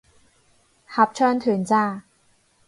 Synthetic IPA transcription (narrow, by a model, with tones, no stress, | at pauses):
hɐ˨˩p̚t͡ʃʰœː˧nt̪ʰyː˨˩˦nt͡saː˧˥˩